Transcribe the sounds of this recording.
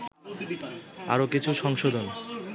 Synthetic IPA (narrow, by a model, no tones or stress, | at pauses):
a̰ɾokit͡ɕʰuʃɔŋʃod̪ʱon